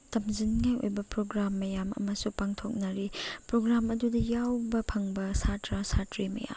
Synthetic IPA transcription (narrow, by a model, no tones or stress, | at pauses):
tɐmzinŋajo̰jbɐpɾoɡɾamːɐjamɐ̰mɐsupaŋtʰok̚nɐɾipɾoɡɾamɐdudɐjawbɐpʰɐŋbɐsatɾasatɾimɐ̰ja̰m